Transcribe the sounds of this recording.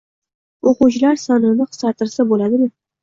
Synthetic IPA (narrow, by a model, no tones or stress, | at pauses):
oqut͡ʃʰɪlaɾsɒnɪnɪqʰɨ̥sɑt̪ʰɪɾsabolad̪ɪmɪ